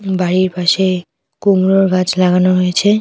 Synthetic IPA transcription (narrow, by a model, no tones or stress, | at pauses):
baɾiɾpaʃe | kumɾoɾkad͡ʑlaɡanoɦojet͡ɕʰe